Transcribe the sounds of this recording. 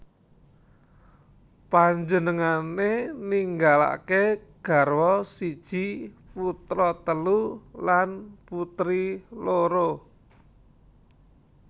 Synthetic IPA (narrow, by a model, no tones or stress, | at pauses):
paɲd͡ʒənəŋaneniŋɡala̰keɡ̥a̤rwɔsid̥ʒ̥i̤put̪ɾɔt̪əlulanput̪ɾiloɾo